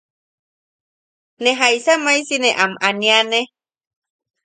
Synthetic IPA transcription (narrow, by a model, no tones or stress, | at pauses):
neɦajsamajsineʔamaniane